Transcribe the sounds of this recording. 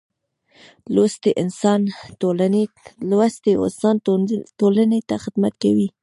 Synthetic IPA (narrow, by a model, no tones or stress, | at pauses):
lost̪eʔɪnsɑnt̪olane | lwast̪eo̰sɑnt̪olanet̪axɪd̪mat̪kawi